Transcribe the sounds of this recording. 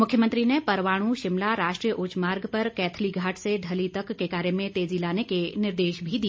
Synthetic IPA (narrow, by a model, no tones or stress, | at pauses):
mʊkʰjəmə̃nt̪ɾinepɐɾʋaːɽ̃ũʃɪmlaɾaːʃʈɾijəʔʊt͡ʃmaːɾɡpɐɾkɛːt̪ʰliɡʱaːʈʰsed̪ʱɐlit̪əkːekaːɾemẽt̪eːd͡ʒilaːnekenɪɾd̪eːʃbʱid̪i